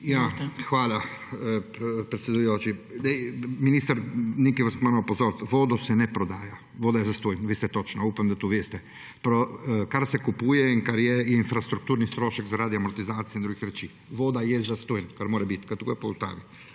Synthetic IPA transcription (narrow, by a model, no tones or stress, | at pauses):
jaxʋaːla | pɾet̪sʲjed̪ujoːt͡ʃid̪ɛminist̪aɾnikiʋasmanapozoːɾt̪ʋoːd̪ɔsɛnɛpɾɔd̪aːja | ʋoːd̪ajɛzast̪ojnʋeːst̪ɛt̪ot͡ʃnaupamd̪at̪uːʋeːst̪ɛ | pɾokaɾsɛkupuːjɛiŋkaɾjɛjɛinfɾast̪ɾuk̚t̪uːɾnist̪ɾoːʃɛkzaɾad̪iamɔɾt̪izaːt̪sijeind̪ɾuɡixɾɛt͡ʃiː | ʋoːd̪ajɛzast̪oːjnkaɾmoːɾɛbit̪kat̪uɡopoust̪a̰ːʋi